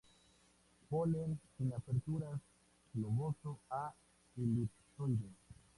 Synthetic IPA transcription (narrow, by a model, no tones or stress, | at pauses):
poleinapeɾtuɾas | lomosoa | ilit | sod͡ʒo